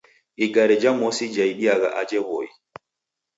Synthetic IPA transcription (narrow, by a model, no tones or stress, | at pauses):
iɡaɾɛd͡ʒamɔsid͡ʒajɗijaɡa̰ʔad͡ʒɛwɔj